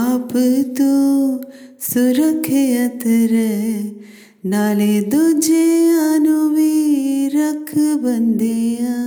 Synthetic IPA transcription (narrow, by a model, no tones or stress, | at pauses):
apɨt̪u | suɾɐkʰːejɐt̪ɐɾe | naːled̪od͡ʒeanuʋiɾɐkʰːɨbɐnd̪ea